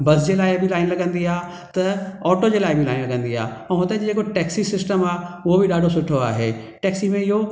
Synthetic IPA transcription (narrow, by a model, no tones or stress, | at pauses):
bɐsd͡ʑeːlaːɪbʱilaːɪnlɐɠə̃nd̪iaː | t̪ɐɔːʈod͡ʑeːlaːɪbʱilaːɪnlɐɠə̃nd̪iɦa̰ːɛ̃ːɦʊt̪ad͡ʑed͡ʑeːkoʈɛːksisɪsʈəmaːʊɦobiɗaːɖʱosʊʈʰoa̰ːɦeː | ʈɛːksimẽɪɦo